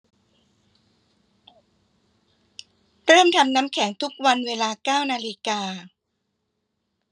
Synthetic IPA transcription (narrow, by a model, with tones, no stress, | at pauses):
ɾɤː˥˩mt̪ʰa˧mna˦˥mkʰɛ˩˦ŋt̪ʰu˦˥k̚wa˧nweː˧laː˧kaː˥˩wnaː˧li˦˧kaː˧